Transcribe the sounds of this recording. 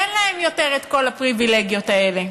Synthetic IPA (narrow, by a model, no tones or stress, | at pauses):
enlaemjo̞t̪eʁet̪ko̞lapʁivile̞ɡjo̞t̪ae̞le̞